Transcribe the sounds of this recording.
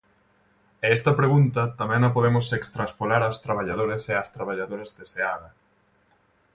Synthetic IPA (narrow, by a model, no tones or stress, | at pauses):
eɛst̪ɐpɾeɣunt̪ɐt̪amɛ̃ŋnɐpoðemʊsekst̪ɾaspolaɾawst̪ɾaβ̞aʎað̞oɾeseast̪ɾaβaʎaðoɾɐzðeseaðɐ